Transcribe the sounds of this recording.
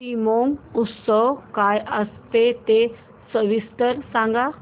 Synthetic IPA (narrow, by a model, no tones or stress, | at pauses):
imoŋɡut̪səwkajəst̪et̪e | səʋist̪əɾsãŋɡa